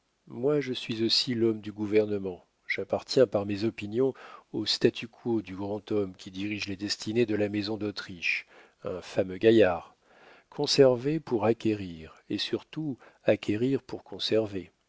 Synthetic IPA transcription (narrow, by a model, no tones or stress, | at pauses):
mwaʒəsɥizosilɔmd̪yɡuvɛʁnəmɑ̃ | ʒ̥apaʁt̪jɛ̃paʁmezɔpinjɔ̃ost̪at̪ʰykʰod̪yɡʁɑ̃t̪ɔmkʲid̪iʁiʒled̪ɛst̪ined̪əlamezɔ̃d̪ot̪χiʃ | ɛ̃famøɡʲajaʁ | kʰɔ̃sɛʁvepuʁakʲeʁiʁesyʁt̪u | akʲʰeʁiʁpuʁkʰɔ̃sɛʁve